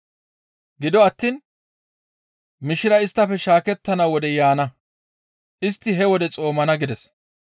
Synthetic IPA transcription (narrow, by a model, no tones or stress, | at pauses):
ɡɪd̪ɔɐt̪ːiːn | mɪʃɪɾɐɪst̪ːɐfɛʃaːkɛt̪ːɐnɐwɔd̪ɛjaːnɐ | ʔɪst̪ːɪɦɛwɔd̪ɛt͡sʼo̞ːmɐnɐɡɪd̪ɛs